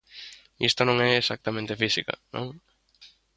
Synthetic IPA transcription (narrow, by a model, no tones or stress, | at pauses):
ist̪onõŋɛesak̚t̪amẽnt̪efisikɐ̰nʔõ̰ŋ